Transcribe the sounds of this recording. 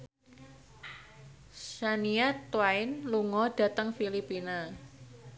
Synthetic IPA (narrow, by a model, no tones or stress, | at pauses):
saniat̪waɪnluŋɔɖ̥a̤t̪əŋfilipina